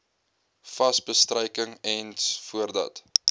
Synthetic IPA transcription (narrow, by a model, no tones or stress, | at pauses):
fɐsbəstrəjkəŋɛnsfuərdɐ̰t